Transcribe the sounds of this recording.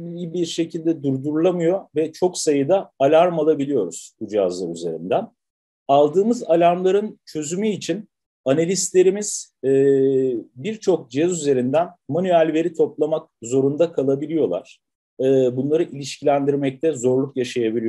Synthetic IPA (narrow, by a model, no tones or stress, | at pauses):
ijibiɾʃe̞cʰilʲd̪ɛd̪uɾd̪uɾlˠamɯjo̞vɛt͡ʃʰo̞ksajɯd̪aːlʲaɾmalˠabilʲijo̞ɾṵz̥bud͡ʒa̰zlˠaɾyze̞̰ɾḭnd̪æn | alˠd̪ɯːmɯzalʲaɾmlˠaɾɯnt͡ʃʰø̞zymyːt͡ʃʰin | analʲist̪lʲe̞ɾimiz̥ː | biɾt͡ʃʰo̞k̚d͡ʒɛzyze̞ɾind̪ænmanyælʲve̞ɾit̪ʰo̞plˠamak̚zo̞ɾund̪akʰalˠabilʲijo̞lˠa̰ɾ̥ | ɯːbunlˠaɾɯʔilʲiʃcʰilʲænd̪iɾmɛc̚t̪ʰɛzo̞ɾlˠukjaʃajabilʲi